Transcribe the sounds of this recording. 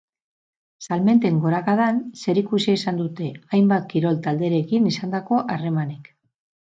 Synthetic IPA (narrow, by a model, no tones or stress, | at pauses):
salme̞nt̪e̞ŋɡo̞ɾakaðanse̞ɾikusiisand̪ut̪e̞ajmbat̪̚kiɾo̞lt̪ald̪e̞ɾe̞kinisand̪ako̞ʔare̞mane̞k